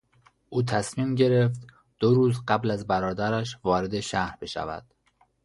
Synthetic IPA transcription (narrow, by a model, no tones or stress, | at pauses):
ʔuːt̪ʰæsmiːmɟe̞ɾe̞ft̪ | d̪̥oɾuːzɢæblæzbæɾɒːd̪æɾæʃvɒːɾe̞d̪eʃæhɾbe̞ʃæ̰væ̰d̪̥